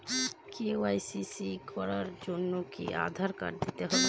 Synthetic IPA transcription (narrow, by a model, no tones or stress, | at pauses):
keoajsisikʰɔɾaɾd͡ʒonːokḭʔa̰d̪ʱaɾka̰ɾd̪it̪eɦɔbe